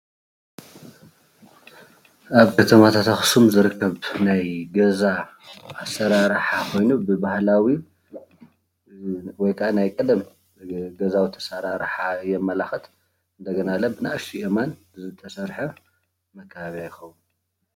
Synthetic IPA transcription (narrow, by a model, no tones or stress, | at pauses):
aβkʰɐt̪ʰɐmat̪ʰat̪axɨ̥sumzɨɾɨkʰːɐβnajɡɐzaː | sɐɾaɾħakʰo̞jnubɨbahlawi | wɔjkʰanajkʼɨd̪ɐm | ɡɐzawit̪ʰɐ̥saɾaɾħajɛmːɐlaxɨt̪ | ɨnd̪ɐɡɐnalɐbɨnaʔʃiʔeman | zɨt̪ʰɐsɐɾħɐ | mɐkʰːɐβaβiajɪxɐwun